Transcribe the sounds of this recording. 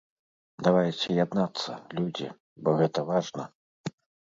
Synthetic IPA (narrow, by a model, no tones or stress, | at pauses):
d̪avajt͡sʲɛjad̪nat̪sːɐlʲud͡zʲḭ | bɔɣɛt̪ɐvaʐnɐ